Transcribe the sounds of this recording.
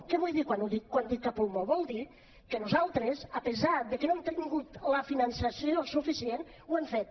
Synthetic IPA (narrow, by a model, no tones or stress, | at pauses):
keβujðikwanuðikwand̪ik̪̚kːapumoβɔlˠd̪i | kənuzalˠt̪ɾezapəzaðəkənoemt̪iŋɡut̪ləfinansasiosufisien | wɛmfet̪̚